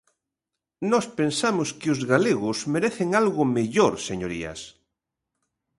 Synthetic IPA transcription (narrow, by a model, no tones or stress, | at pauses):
nɔspensamʊskɪʊzɣaleɣʊsmeɾeθeŋalɣʊmeʎoɾseɲoɾia̰s